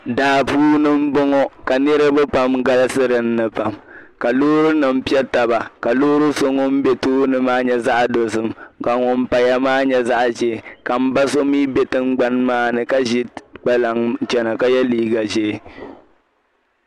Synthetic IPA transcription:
daː˨puː˦nɨ˦m̩˦bɔ˦ŋɔ˦ka˨nɨ˦ɾɨ˦bɨ˦pa˦mɡa˦lɨ˦sɨ˦ɾɨ˨n̩ː˦ɨ˨pa˨mka˨loː˦ɾɨ˦nɨ˨m̩˦pi˦ɛ˦ta˨ba˨ka˨loː˦ɾɨ˦so˦ŋɔ˦m̩˦bɛ˦tuː˦nɨ˦maː˦ɲɛ˦za˦ʔdo˨sɨ˨mka˨ŋɔ˨m˦pa˨ja˨maː˦ɲɛ˦za˦ʔʒe˨ka˨m̩˦ba˦so˦miː˦bɛ˦tɨ˦ŋɡ͡ba˦nmaː˦nɨ˨ka˦ʒi˦ɡ͡ba˦la˨ŋt͡ʃɛ˨na˨ka˨jɛ˦liː˦ɡa˨ʒe˦˨

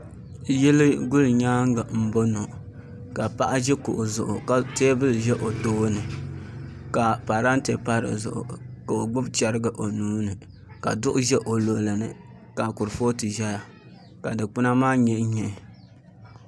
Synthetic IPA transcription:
jɛ˦lɨ˦ɡʊ˦lɲaː˦ŋ˦ɡa˨m̩˨bo˦no˨ | ka˨pa˦ʔa˦ʒɛ˦kʊ̰˨ʔʊ˨zʊ˨ʔʊ˨ka˦te˦bɨ˦lʒɛ˦ʔo˨toː˦nɨ˨ | ka˨pa˨ɾa˦n˦te˨pa˦ɾɨ̰˨zʊ̰˨ʔʊ̰˨ka˨o˨ɡ͡bʊ˦bt͡ʃɛ˨ɾɨ˦ɡɨ˨ʔo˨nuː˦nɨ˨ | ka̰˨dʊ˦ʔʊ˦ʒɛ˦ʔo˨lo˨lɨ˨nɨ̰˨ | ka˨kʊ˨ɾfo˦tɨ˨ʒɛ˦ja˨ | ka˨dɨ˨k͡pʊ˦na˦maː˦ɲɛ˦ɲɛ˨

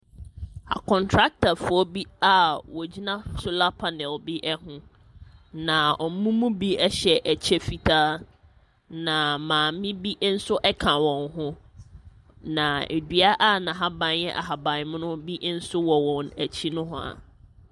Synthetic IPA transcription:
a̰˨kʰɔ̃˨ntʰɾa˦k̚tʰa˨fʊ˨ɔ˦bi˦a˦wɔ˨d͡ʑi˦nã˦sʊ˦la˦pʰa˨nɛ̃˨lbi˦ʔɛ˦ɦʊ̃˦ | nã˨ɔ˨m̩˦mũ˦mũ˦bi˦ɛ˦ɕɛ˨ʔæ˨t͡ɕʰɛ˦fi˨tʰaː˦ | nã˨mãː˨˦mɪ̃˦bi˦ʔn̩˦sʊ˦ʔɛ˦kʰã˨wɔ̃˨ŋɦʊ̃˦ | nã˨ḛ˨dɥa˦ʔa˦˨nã˨ɦa˦bã˨njɛ̰˦ʔa̰˨ɦa˨bã˨n˨mʊ̃˦nʊ̃˦bi˦ʔn̩˦sʊ˦wɔ˨wɔ̃˨næ˨t͡ɕʰi˦nʊ̃˦ɦʊ̃˦a̰˨

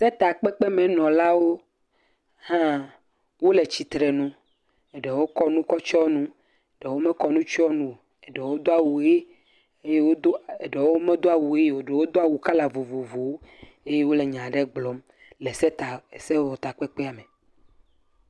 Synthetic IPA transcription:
sɛ˦t̪a˨k͡pɛ˦k͡pɛ˦mɛ̃˨nɔ̃˨la˦wo˦ | hã˦ | wo˦le˨t͡ɕi˨t̪ɾɛ˨nũ˦ | ɛ˨ɖɛ˨wo˦kɔ˦nũ˦kɔ˦t͡ʃɔ˦nũ˦ | e˨ɖɛ˨wo˦me˦kɔ˦nũ˦t͡ʃɔ˦nũ˨ | e˨ɖɛ˨wo˦d̪o˦a˨wu˨e˦ | e˦je˦wo˦d̪o˦e˨ɖe˨wo˦mẽ˦d̪o˦a˨wu˨e˦˨wo˨ɖe˨wo˦d̪o˦a˨wu˨ka˦la˨vo˨vo˨vo˨wo˦ | e˦je˦wo˦le˨ɲã˨ɖe˦ɡ͡blɔ˨˦m | lɛ˨sɛ˦t̪a˨se˦wɔ˨t̪a˨k͡pɛ˦k͡pɛ˦a˨me˨

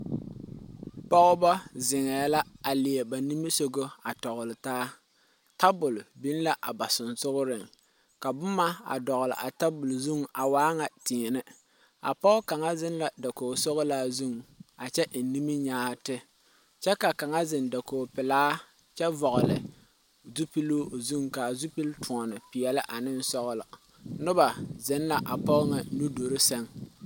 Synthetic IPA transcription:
pɔ˦ɣʊ˦bɔ˦zɪ˨ŋɛː˨la˦a˨lɪ˨e˨ba˨ni˦mi˦so˦ɡo˦a˨tɔ˨ɣʊ˨lɪ˨taː˦ | ta˦bʊ˨lbi˦n˦la˦ʔa˨ba˨sʊ˨nsʊ˦ɣʊ˦ɾɪ˨ŋ | ka˨bʊ˦ma˦a̰˨dɔ˨ɣʊ˨lɪ̰˨ʔa˨ta˦bʊ˨lzu˦ŋa˨waː˦ŋa˨ti˨nɪ˦ | a̰˨pɔ˦ʔʊ˦ka˨ŋa˦zɪ˦nla˨da˨ko˨sɔ˦ɣʊ˦laː˦zu˦ŋ˨a˨t͡ʃɛ˦ʔ̩˨˦ni˦mi˦ɲaː˦tɪ˦ | t͡ʃɛ˦ka˨ka˨ŋa˦zɪ˨nda˨koː˨pɪ˨laː˦ | t͡ʃɛ˦vɔ˨ɣʊ˨lɨ̰˨ | zu˦pi˦lo˦˨zu˦ŋka˨zu˦pi˦ltʰʊ˨ŋɔ˨nɨ˨pɪ˨jɛ˨lɪ˦ʔa˨nɪ˦n˦sɔ˦ɣʊ˦lɪ˨ | nʊ˦ba˨zɪ˦n˦la˨ʔa˨pɔ˦ŋa˨˦nu˦do˨ɾɪ˦sɛ˦ŋ

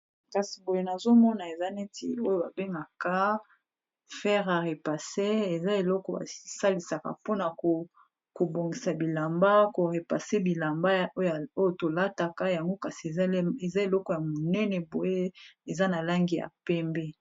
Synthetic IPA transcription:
ka˨si˨bo˨je˦na˨zo˦mɔ˦na˨e˨za˦ne˦tḭ˨o˦jo˨ba˨be˦ŋɡa˨ka˦ | fɛ˦ʁa˨ʁe˨pa˨se˦e˨za˦e˨lɔ˦kɔ˨ba̰˨˦sa˦li˨sa˨ka̰˨po˦na˨ko˨ | ko˨bo˨ŋɡi˨sa˨bi˨la˨mba˦ko˨ʁe˨pa˨se˦bi˨la˨mba˦˨o˦ja˨o˦jo˨to˨la˦ta˨ka˦ja˨ŋɡo˦ka˨si˨e˨ze˨za˦e˨lɔ˦kɔ˨ja˨mo˨nɛ˦nɛ˨bo˨je˦e˨za˦na˨la˦ŋɡi˨ja̰˨pɛ˦mbɛ˦

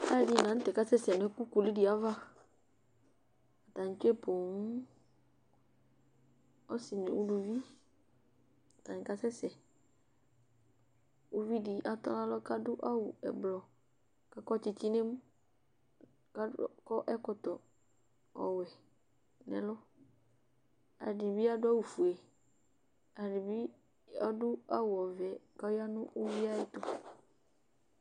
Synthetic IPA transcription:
a̰˦˨di˦˨nã˨˦n̩˦tɛ˨ka˦sɛ˦sɛ˨n˨ɛ˦ku˦ku˨li˦di˨a˦va˦ | a˨ta˨ɲ̩˨t͡ʃe˦po˨ŋ˦ | ɔ˦sɪ˨n˨u˦lu˨vi˦ | a˨ta˨ɲ˨ka˦sɛ˦sɛ˨ | u˦vi˦di˨ʔa˨tɔ̰˦la˦lɔ˦ka˦dʊ˦ʔa˦wu˨ɛ̰˨blɔ˨ | ka˦kɔ˦t͡ʃɪ˨ti˦ne˦m˦ | ka˦kɔ˦ʔɛ˦kɔ˨t̪ɔ˨ | ɔ̰˨wɛ˨ | nɛ̰̃˨lɔ˦ | a̰˨dɪ˨bi˦a˦dʊ˦a˦wu˨fu˨ɛ˨ | a˨ɖɪ˨bi˦ | ɔ˦dʊ˦a˦wʊ˨ɔ˨vɛ˨ka˦a˦nʊ̃˦ʔo˦vi˦a˦ɪ˨t̪ʊ˦

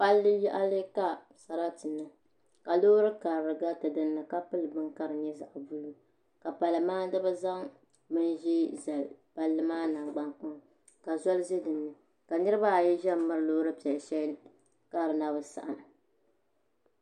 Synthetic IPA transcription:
pa˦lːɨ˦jɛ˦ʔa˦lɨ˦ka˦ | sa˨ɾa˦tɨ˨nːɨ˨ | ka˨lo˦ɾɨ˦ka˨ɾɾɨ˨ɡa˦tɨ˨dɨ˦nːɨ˨ka˦pɨ˦lɨ˨bɨ˦ŋka˦ɾɨ˨ɲɛ˦za̰˨ʔvu˦lu˦ | ka˨pa˨lɨ˨maː˦dɨ˦ba˦za˦ŋ | bɨ˦nʒɛ˦za˨lpa˨lːɨ˦maː˦na˨ŋɡ͡ba˦ŋk͡pɔ˦ŋ | ka˨zɔ˦lɨ˦ze˦dɨ˨nːɨ˨ | ka˨nɨ˦ɾɨ˦ba˦˨jɛ˦ʒɛ˦mɨ˦ɾɨ˦lo˦ɾɨ˦pɛ˨lʃɛ˦ | ka˦˨ɾɨ˨na˦bɨ˨sa̰˨ʔa˨n˨

